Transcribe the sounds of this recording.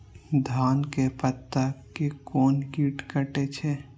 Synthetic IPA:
d̪ʱaːnkepət̪ːakekoːnkiːʈkəʈet͡ʃʰe

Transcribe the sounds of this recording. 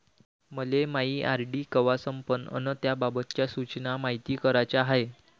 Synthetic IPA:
məlemaɦiːʔaɾɖiːkəʋasəmpənə̰nət̪jababət̪t͡ɕjasut͡ɕnamaɦit̪iːkəɾat͡ɕaɦae

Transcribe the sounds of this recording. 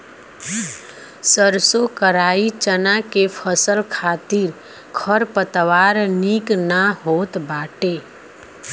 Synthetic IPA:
səɾsokəɾaːit͡ʃənakepʰəsəlkʰaːt̪iɾ | kʰəɾpət̪ʋaːɾniknaɦoːt̪baːʈe

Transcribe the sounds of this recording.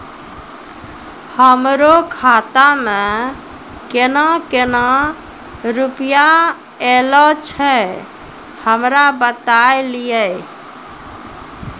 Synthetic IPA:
həmɾokʰat̪amẽ | kenɔ̃kena | ɾupja | elɔt͡ʃʰɛ | həmɾabət̪ajlijə

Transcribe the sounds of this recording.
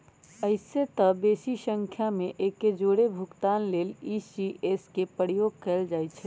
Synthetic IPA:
əɪset̪əbesisə̃ŋkʰjameʔekːed͡ʒoɽebʱukt̪anleːlisiʔeskepəɾijoɡ̚kɛɪld͡ʒajt̪t͡ʃʰɛ

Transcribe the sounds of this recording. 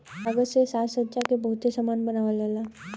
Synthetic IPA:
aɡəsesaːsət͡ʃakebɐɦʊt̪sesamaːnbɐnaːʋalalaː

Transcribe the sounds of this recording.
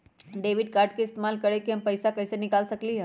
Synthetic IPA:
ɖeʋiɖ̚kaɾʈ̚kiːst̪emalkəɽekiɦəmpəjsakəjsenikalsəkliɦə

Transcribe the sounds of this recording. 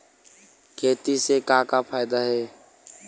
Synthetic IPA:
kʰeːt̪isekakapʰaːɪd̪aɦeː

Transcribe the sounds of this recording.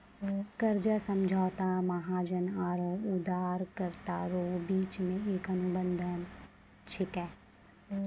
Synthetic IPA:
kəɾd͡ʒasə̃md͡ʒʱaːt̪amaɦaːd͡ʒənaːɾõʊd̪ʱaːɾkəɾt̪aɾoːbiːt͡ʃmẽeːkənʊbə̃nd̪ʱən | t͡ʃʰɪkɛː

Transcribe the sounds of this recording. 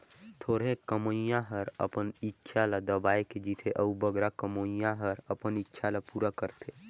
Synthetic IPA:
t̪ʰoːɽẽkəmoijãɦəɾə̰pənitːʃʰalad̪əbaːeked͡ʒit̪ʰeʔəubəɡɾakəmoijãɦəɾəpənitːʃʰalapuːɾakəɾt̪ʰe

